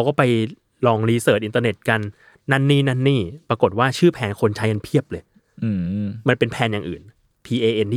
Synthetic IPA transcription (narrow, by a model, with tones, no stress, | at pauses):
a˧wkɔː˥˩pa˧j | lɔː˧ŋliː˧sɤː˨˩t̪̚ʔi˨˧nt̪a˧ne˨˩t̪̚ka˧nː | a˦˥˩nːiː˥˩na˥˩nːiː˥˩pɾa˧ko˨˩t̪̚waː˥˩t͡ɕʰɯː˥˩pʰɛː˧nkʰo˧nt͡ɕʰa˦˥jka˧npʰi˥˩əp̚lɤː˧j | ɯː˧ma˧npe˧npʰɛː˧njaː˨˩ŋʔɯ̰ː˨˩n | pʰiː˧ʔeː˧ʔe˧nː˥